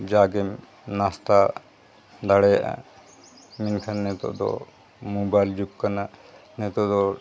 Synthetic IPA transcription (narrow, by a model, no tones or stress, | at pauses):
d͡ʒaɡɛm | nast̪a | d̪aɽɛʔa̰ | minkʰanːɛt̪ɔ̰ʔd̪ɔ̰ | mubajld͡ʒukkananɛt̪ɔd̪ɔ